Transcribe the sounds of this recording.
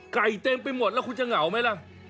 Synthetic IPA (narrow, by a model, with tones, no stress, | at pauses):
ka˨˩jt̪eː˧mpa˧jmo˨˩t̪̚lːkʰu˧nt͡ɕa˨˩ŋa˩˦wma˦˥jla˧˥˩ʔ